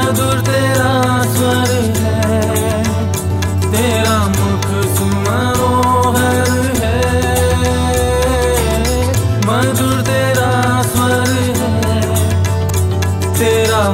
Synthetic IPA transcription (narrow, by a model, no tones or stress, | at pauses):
d̪uːɾt̪eːɾa | swɐɾ | ɦɛ | t̪eːɾa | mʊkʰ | s | maːɾo | ɦɐ | ɾ | ɦɛ | mɐnd̪uːɾt̪eːɾa | swɐɾ | ɦɛ | t̪eːɾa